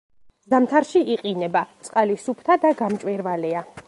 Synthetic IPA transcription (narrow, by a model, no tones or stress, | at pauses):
zamt̪ʰaɾʃiʔiqʼinɛbat̪sʼqʼalisupʰt̪ʰad̪aɡamt͡ʃʼwɛɾvalɛa